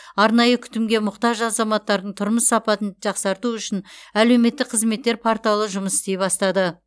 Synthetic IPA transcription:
ɑɾnɑjəkʲʰʏ̥t̪ɪmɡʲe̞mʊqt̪ɑʒɑzɑmɑt̪ːɑɾd̪əɴt̪ʰʊɾməsːɑpɑt̪ənʒɑqsɑɾt̪uʏʃɪnæle̞wme̞t̪ːɪkqʰəzme̞t̪ːe̞ɾpʰaɾt̪ɑlˠəʒʊməsɪ̥st̪e̞jbɑst̪ɑd̪ə

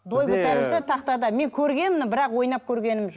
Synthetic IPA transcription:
d̪ojɡut̪æɾɪt̪ɪt̪ʰɑqt̪ɑd̪ɑme̞ŋkʲʰɵɾɡʲe̞nmɪnɪbɪɾɑqwo̞jnɑp̚kʲʰɵɾɡʲe̞nɪmʒ

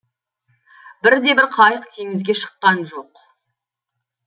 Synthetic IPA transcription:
bɪɾd̪e̞bɪɾqʰɑjəqt̪ʰeŋɪzɡʲe̞ʃə̥qːɑnʒo̞q

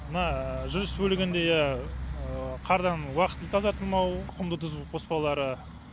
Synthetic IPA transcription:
mənɑʒʊɾɪsbɵlɪɡʲɪnd̪e̞jæ | qʰɑɾd̪ɑnwɑqət̪ːɪlt̪ʰɑzɑɾt̪əlˠmɑwʊqʰəmd̪ət̪ʰʏzqʰo̞spɑlˠɑɾə

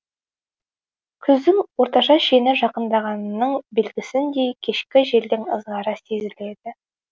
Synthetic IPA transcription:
kʲʰʏzd̪ɪŋwo̞ɾt̪ɑʃɑʃenɪʒɑqənd̪ɑʁɑnnːəɴbe̞lɡʲɪsɪnd̪e̞jkʲʰe̞ʃkʲɪʒe̞ld̪ɪŋə̰zʁɑɾɑse̞zɪle̞d̪̥ɪ

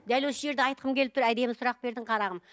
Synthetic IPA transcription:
d̪ælwo̞səʒe̞ɾd̪eɑjt̪̚qʰəmkʲʰe̞lɪp̚t̪ʰɾæjd̪e̞mɪsʊɾɑq̚be̞ɾd̪ɪɴqʰɑɾɑʁəm

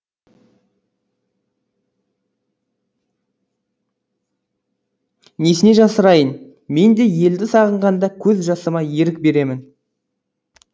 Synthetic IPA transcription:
nesɪneʒɑsəɾɑjən | me̞nd̪e̞je̞ld̪ɪsɑʁəɴʁɑnd̪ɑkʲʰɵzʒɑsəmɑje̞ɾɪk̚be̞ɾe̞mɪn

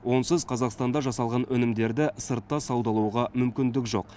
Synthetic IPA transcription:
wo̞nsəzqʰɑzɑqst̪ɑnd̪ɑʒɑsɑlˠʁɑnɵnɪmd̪e̞ɾd̪ɪsəɾt̪ːɑsɑwd̪ɑlˠuwʁɑmʏmkʲɪnd̪ɪkʒo̞̰q

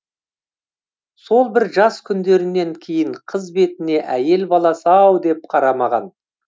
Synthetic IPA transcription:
so̞lˠbɪɾʒɑskʲʰʏnd̪e̞ɾɪnːe̞ŋkʲʰe̞jɪɴqʰəzbe̞t̪ɪne̞ʔæje̞lbɑlˠɑsɑwd̪e̞p̚qʰɑɾɑmɑʁɑ̰n

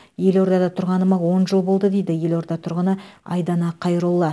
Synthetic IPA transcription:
je̞lo̞ɾd̪ɑd̪ɑt̪ʰʊɾʁɑnəmɑwo̞nʒəlˠbo̞lˠd̪əd̪e̞jd̪ɪje̞lo̞ɾd̪ɑt̪ʰʊɾʁənəɑ̰jd̪ɑnɑqʰɑjɾulˠːɑ

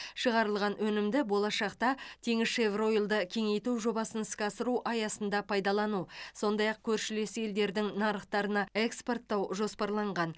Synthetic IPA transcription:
ʃəʁɑɾəlˠʁɑnwɵnɪmd̪ɪbo̞lˠɑʃɑqt̪ɑt̪ʰe̞ŋɪsʃevro̞jlˠd̪əkʲʰe̞ŋe̞jt̪uʒo̞bɑsənɪskʲɑsəɾuʔɑjɑsənd̪ɑpʰɑjd̪ɑlˠɑnuso̞nd̪ɑjɑq̚kʲʰɵɾʃɪle̞sɪe̞ld̪e̞ɾd̪ɪŋnɑɾəχt̪ɑɾənɑe̞kspo̞rt̪ːɑwʒo̞spɑɾlˠɑɴʁɑn

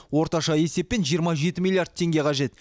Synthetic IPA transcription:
wo̞ɾt̪ɑʃɑje̞se̞p̚ːe̞nʒijəɾmɑʒe̞t̪ɪmʲilˠijard̪̚t̪ʰe̞ŋɡʲe̞qʰɑʒe̞t̪

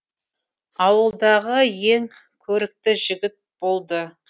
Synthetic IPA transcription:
ɑwəlˠd̪ɑʁəje̞ŋ | kʲʰɵɾɪk̚t̪ɪʒɪɡʲɪt̪̚b̥o̞lˠd̪ə

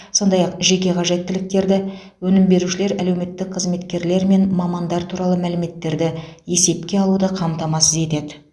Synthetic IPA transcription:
so̞nd̪ɑjɑqʒe̞kʲe̞qʰɑʒe̞t̪ʰːɪlɪk̚t̪e̞ɾd̪ɪ | wɵnɪmbe̞ɾuʃɪle̞ɾælewme̞t̪ːɪk̚qʰəzme̞t̪kʲe̞ɾle̞ɾme̞nmɑmɑnd̪ɑɾt̪ʰuɾɑlˠəmælɪme̞t̪ːe̞ɾd̪ɪje̞se̞p̚kʲe̞ɑlˠud̪əqʰɑmt̪ɑmɑsəze̞t̪e̞d̪ɪ

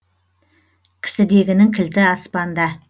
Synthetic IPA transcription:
kʲʰɪ̥sɪd̪e̞ɡʲɪnɪŋkʲʰɪlt̪ɪɑspɑnd̪ɑ

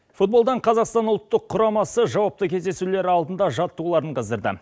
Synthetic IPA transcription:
fut̪̚bold̪ɑɴqʰɑzɑqst̪ɑnʊlˠt̪ːəqʰːʊɾɑmɑsəʒɑwɑp̚t̪əkʲʰe̞zd̪e̞sule̞ɾɪɑlˠd̪ənd̪ɑʒɑt̪ːulˠɑɾəɴqʰəzəɾd̪ə̰

